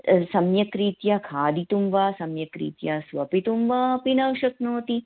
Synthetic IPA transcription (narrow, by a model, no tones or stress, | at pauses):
sɐmjɐkɾiːt̪jaːkʰaːd̪it̪umʋaːsɐmjɐkɾḭːt̪jaːsʋɐpit̪umʋaːɐpinɐwʃɐknoːt̪i